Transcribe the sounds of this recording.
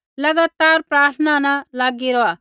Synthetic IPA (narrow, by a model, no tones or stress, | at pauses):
lɐɡaːt̪aːɾpɾaːt̪ʰnanalaːɡiɾɔaː